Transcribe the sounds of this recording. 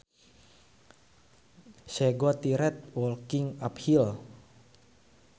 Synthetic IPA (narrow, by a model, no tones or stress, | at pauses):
ʃɛɡɔt̪iɾɛt̪̚wɔlkɪŋaphil